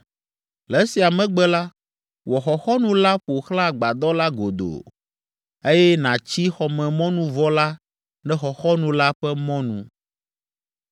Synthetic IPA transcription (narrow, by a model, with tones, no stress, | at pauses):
lɛ˨˦si˨a˨mɛ̃˦ɡ͡bɛ˦la˦ | wɔ˨xɔ˨xɔ˦nũ˦la˦ɸo˨xla˦˨ɡ͡ba˨d̪ɔ˦la˦ɡo˨d̪o̰˨ | e˦jɛ˦nã˨t͡ɕi˦xɔ˨mɛ̃˨mɔ̃˦nũ˦vɔ˦la˦ | nɛ̃˦xɔ˨xɔ˦nũ˨la˦ɸɛ˦mɔ̃˦nṵ̃˨